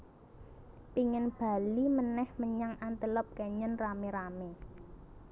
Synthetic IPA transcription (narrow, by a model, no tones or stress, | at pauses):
piŋənb̥a̤limənɛhməɲaŋant̪əlɔp̚kɛɲənrameɾame